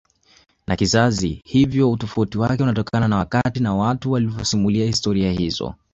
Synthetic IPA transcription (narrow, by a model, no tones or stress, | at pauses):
nʔakizazihivjɔutɔfautiwakɛunatɔkʰananawakatinawatuwalivɔsimuliahistɔɾiahizɔ̰